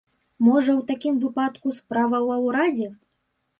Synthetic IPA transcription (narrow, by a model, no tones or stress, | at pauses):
mɔʐɐwt̪akʲimvɨpat̪kuspɾavɐwɐwɾad͡zʲɛ